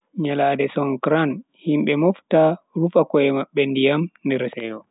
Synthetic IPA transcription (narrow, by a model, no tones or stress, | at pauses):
ɲalaːdɛsɔŋkɾan | himɓɛmɔftaɾufakɔɛmaɓːɛndijamndɛɾsɛjɔ